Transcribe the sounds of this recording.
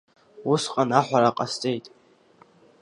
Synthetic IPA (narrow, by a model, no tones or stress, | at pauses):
usqʼanaħʷaɾaqʼast͡sʼejtʼ